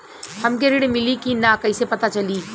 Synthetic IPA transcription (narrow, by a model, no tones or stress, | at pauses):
hɐmk̬eɾɪɽmɪlikinakɐɪsepɐt̪at͡ʃɐliː